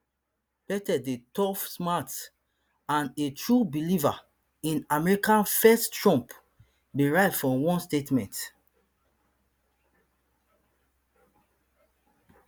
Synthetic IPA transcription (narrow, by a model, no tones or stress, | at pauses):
b̥ɛtɛdetɔfsmat | ãnetɹubiliva̰ | ĩnamɛɹikãnfɛsttɹɔ̃mp | biɹaɪtfɹɔ̃wɔ̃nstetmɛ̃nt